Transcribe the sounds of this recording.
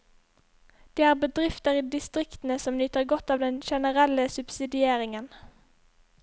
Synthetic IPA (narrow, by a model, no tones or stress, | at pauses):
d̪̥eːæːʁbəd̪ʁɪft̪əʁiːd̪ɪst̪ʁɪkt̪n̩əsɔmlyːt̪əʁɡɔt̪ːɑːʋd̪ɛnʃɛnəʁɛləsʉb̥sɪd̪ɪeːʁɪŋən